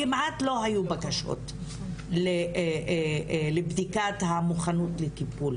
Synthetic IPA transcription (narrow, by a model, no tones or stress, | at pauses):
imʕatlo̞hajubakaʃo̰t | le | lebd̪ikathamuχanut̪let̪ipul